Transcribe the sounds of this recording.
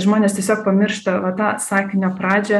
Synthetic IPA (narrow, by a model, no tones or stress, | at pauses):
ʒmoːnʲeːst̪ʲiɛsʲoːk̚pɐmʲɪrʃt̪ɐʋɐt̪ɑːsɑːkʲɪnʲoːpɾɑːd͡ʒʲɛ